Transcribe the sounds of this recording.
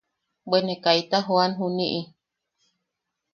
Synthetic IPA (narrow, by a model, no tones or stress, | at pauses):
benekait̪aɦoanɦuniʔi